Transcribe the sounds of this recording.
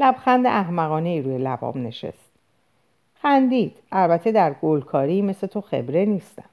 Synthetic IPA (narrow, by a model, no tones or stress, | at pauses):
læbxænd̪ḛʔæhmæɣɒːne̞iːɾuːje̞læbɒ̰bne̞̰ʃe̞̰st̪ | xænd̪iːd̪̥ælbæt̪ʰe̞d̪æɾɡolkʰɒːɾiːme̞set̪ʰo̞xe̞̰bɾe̞niːst̪æ̰m